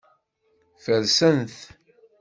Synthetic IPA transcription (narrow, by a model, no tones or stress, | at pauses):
fəlsənθ